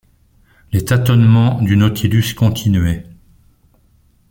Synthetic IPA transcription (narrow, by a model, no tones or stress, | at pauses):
let̪at̪ɔnmɑ̃d̪ynɔt̪ʰilyskɔ̃t̪ʰinyɥɛ